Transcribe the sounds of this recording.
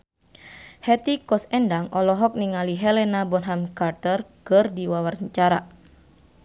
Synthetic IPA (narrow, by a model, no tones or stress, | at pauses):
hɛt̪ikɔsɛndaŋʔɔlɔɦɔk̚niŋaliɦɛlɛnabɔnɦamkart̪ərkɨrdiwawarɲt͡ʃaɾa